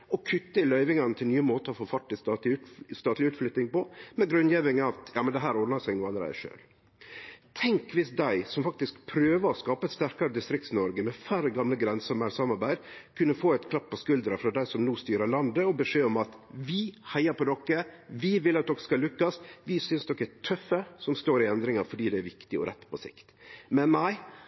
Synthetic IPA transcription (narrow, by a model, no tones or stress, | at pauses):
ɔkʰʏt̪ːəɪlœʏʋɪŋɑnət̪ʰɪlnyːəmoːt̪əɾɔfoːfɑʈːɪst̪ɑt̪ːst̪ɑːt̪lɪʉːt̪flʏt̪nɪŋpɔmɛɡɾʉnjeʋɪŋɑt̪jɑ̰ːmənd̪ɛɦæːɾɔd̪nəsæɪɡnuːɑnəɾæ̰ɪʂø̰ːl | t̪ʰɛŋkʋɪsd̪æɪsɔmfɑk̚t̪ɪskpʰɾøːʋəɔskɑːpəɛt̪st̪æɾkɑɾəd̪ɪst̪ɾɪk̚t̪snɔɾɡəmɛfæɾəɡɑmləɡɾɛnsəɔmæɪsɑmɑɾbæɪd̪kʰʉnːəfoːɛt̪kʰlɑpːɔskʉld̪ɾɑfɾɑd̪æɪsɔmnuːst̪yːɾəlɑnd̪əɔbəʂeːɔmɑt̪ʋɪhæɪɑɾpɔd̪ɔkːəʋɪʋɪlːɑt̪̚d̪ɔkːə̥skɑlʉkːɑsʋɪsʏnsd̪ɔkːəæt̪ʰœfːəsɔmst̪oːɾɪɛnd̪ɾɪŋɑfɔɖiːd̪ɛæɾʋɪkt̪ɪɔ̰ɾʔɛ̰t̪ːpʰɔsɪ̰kt̪mɛnːæɪ